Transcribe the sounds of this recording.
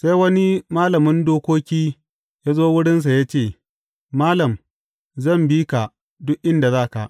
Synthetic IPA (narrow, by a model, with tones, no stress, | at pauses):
sa˦jwɐ˦ni˦maː˦lɐ˨mɪ˦ndoː˦kʷoː˦kʲiː˦ | jaː˦zoː˦wʊ˦ɽɪ˦ns̬a˨jaː˦t͡ʃeː˦˨ | maː˦lɐ˨m | zɐ˦˨mbiː˦ka˨ | dʊ˦ʔʔɪ˦nda˨zaː˦˨ka̰˨ʔ